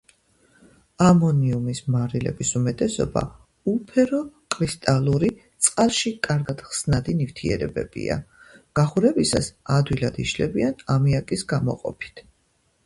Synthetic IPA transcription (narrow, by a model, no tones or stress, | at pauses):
amɔniumismaɾilɛ̰bisumɛt̪ʼɛsɔ̰ba̰ | upʰɛɾɔkʼɾist̪ʼalˠuɾit̪sʼqʼalˠʃikʼaɾɡad̪̥χsnad̪inift̪ʰiɛ̰ɾɛbɛ̰bḭa̰ɡ̥aχuɾɛbisasad̪wilad̪iʃlɛbianamiakʼisɡamɔ̰qʼɔpʰi̥t̪ʰ